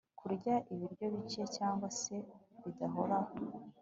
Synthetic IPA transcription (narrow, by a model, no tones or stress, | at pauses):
kʰuɾɟaʔiβiɾɟo̞βiciecaːŋɡwase̞βidaɦo̞ɾaho